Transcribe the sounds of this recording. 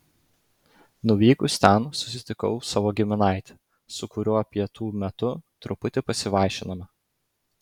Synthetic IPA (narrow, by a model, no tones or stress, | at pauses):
nʊʋʲiːkʊst̪ʲɛnsʊsʲɪt̪ʲɪkɔ̰ʊsɑːʋoːɡʲɪmʲɪnɑˑɪt̪ʲɛ̥ | sʊkʊɾʲʊɐpʲiɛt̪uːmʲɛt̪ʊt̪ɾʊpʊt̪ʲɪpɐsʲɪʋɑˑɪʃʲɪnɐmɐ